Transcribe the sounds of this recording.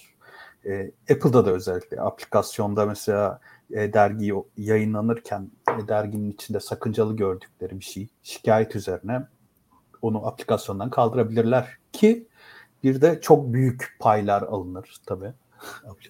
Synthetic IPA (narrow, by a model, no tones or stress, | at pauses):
ɛɛpʰɯlˠd̪ad̪aø̞zɛlʲːiclʲɛ̰ʔa̰plʲikʰasjo̞nd̪amɛselʲaː | ɛd̪æɾɟijjajɯnlˠanɯɾcʰænd̪æɾɟininit͡ʃʰind̪ɛsakʰɯnd͡ʒalˠɯɟø̞ɾd̪yc̚lʲe̞ɾibiʃej | ʃi̥cʰaːjɛt̪ʰyze̞ɾinɛ | o̞nuʔaplʲi̥kʰasjo̞nd̪ankʰalˠd̪ɯɾabilʲiɾlʲæɾ̥cʰi | biɾd̪ɛt͡ʃʰo̞k̚byjycpʰajlʲˠaɾa̰lˠɯnɯɾ̥t̪ʰabiː